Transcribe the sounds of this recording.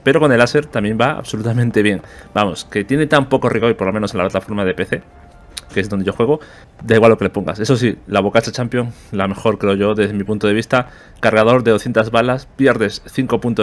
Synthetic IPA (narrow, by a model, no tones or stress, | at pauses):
pe̞ɾo̞ko̞ne̞lase̞ɾt̪amje̞mbaa̰βso̞lut̪amẽnt̪e̞βje̞ŋbamo̞ske̞t̪je̞ne̞t̪ampo̞ko̞riɣo̞jpoɾlo̞mẽnosenlaplat̪afo̞ɾmað̞e̞pe̞θe̞ | keezðnd̪eʝo̞xwe̞ɣo̞ | d̪aiɣwalːo̞kele̞po̞ŋɡa̰se̞so̞s̬ilaβokat͡ʃat͡ʃampjoŋ | lame̞xo̞ɾkɾe̞o̞ʝo̞ðe̞zðemipunt̪oðeist̪a | kaɾɣað̞o̞ɾðeo̞θjent̪azβalaspje̞ɾðe̞sθiŋko̞punt̪o